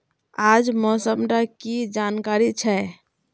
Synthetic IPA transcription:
ad͡ʒmɔsəmɾakid͡ʒankaɾit͡ʃʰɛ

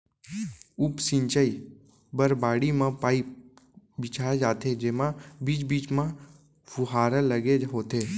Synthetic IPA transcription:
ʊpsɪ̃ɲt͡ʃəi | bəɾbaːɽimãpaːi | bɪt͡ʃʰaːed͡ʒaːt̪ed͡ʒeːmãbiːt͡ʃbiːt͡ʃmã | fuɦaːɾələɡeɦoːt̪eː

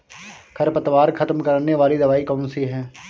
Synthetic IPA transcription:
kʰəɾpət̪ʋaːɾkʰət̪mkəɾnːeːʋaːliːd̪əʋaːiːkɔːnsiːɦɛː

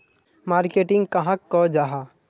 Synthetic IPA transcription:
maːɾkeːʈɪ̃ŋɡkɐɦãkːɔd͡ʒaɦa

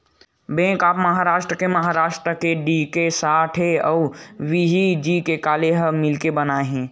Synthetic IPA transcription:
bẽːkaːpməɦaːɾaːʃʈɾəkeməɦaɾaːʃʈɾəkeɖikesaːʈʰɦeɔʊʋiɦid͡ʒikekaːleɦəmɪlkebənaːɦẽː

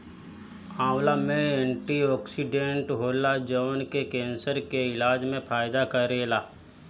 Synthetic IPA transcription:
ãːwlamẽẽɳʈiɔːksiɖẽɳʈɦoːlad͡ʒəːnkekẽːnsəɾkeɪlaːd͡ʒmẽpʰaːjɪd̪akəɾeːlaː

